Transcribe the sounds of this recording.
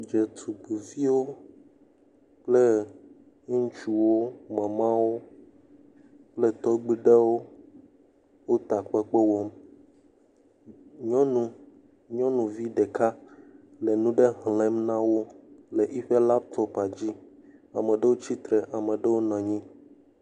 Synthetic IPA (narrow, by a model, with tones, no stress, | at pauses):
d͡ʒe˨t̪ʰu˨ɡ͡bu˨vi˦wo˦ | k͡ple˦ | ŋ̩˦t͡ʃu˨wo˦mɛ̃˨mã˦wo˦ | k͡ple˦t̪ɔ˦ɡ͡bi˦ɖe˦wo˦ | wo˦t̪a˨k͡pe˦k͡pe˦wɔ˦m | ɲɔ̃˦nũ˦ | ɲɔ̃˦nũ˨vi˦ɖɛ˨ka˦ | le˨nũ˦ɖe˦ɦlɛ̃˦mnã˦wo˦le˨ʔi˦ɸe˦la˦p̚t̪ʰɔ˦pa˨d͡ʑi˦a˨mɛ̃˨ɖe˦wo˦t͡ɕi˦t̪ɾɛ˨ʔa˨mɛ̃˨ɖe˦wo˦nã˨ɲĩ˦